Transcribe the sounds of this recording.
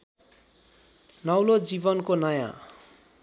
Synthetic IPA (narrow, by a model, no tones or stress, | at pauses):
nʌwlod͡zibʌnkonʌjã̰